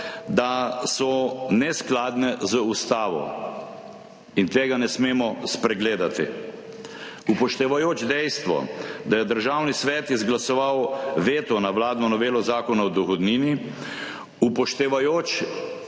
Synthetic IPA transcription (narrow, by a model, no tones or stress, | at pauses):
d̪asɔnɛsklaːd̪nɛzəust̪aːʋɔ̰ | int̪eːɡanɛsmeːmɔspɾɛɡleːd̪at̪ḭ | upɔʃt̪ɛʋajoːt͡ʃd̪ɛjst̪ʋɔ̰d̪ajɛd̪əɾʒawnisʋɛːt̪izɡlasɔʋawʋeːt̪ɔnawlaːd̪nɔnɔʋeːlɔzaːkɔnawd̪ɔxɔd̪niːni | upɔʃt̪ɛʋajoːt͡ʃ